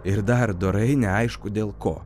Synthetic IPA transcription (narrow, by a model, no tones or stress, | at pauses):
ɪɾd̪ɐɾd̪oɾɐɪnʲɛɐɪʃkʊd̪ʲeːlˠko̰ː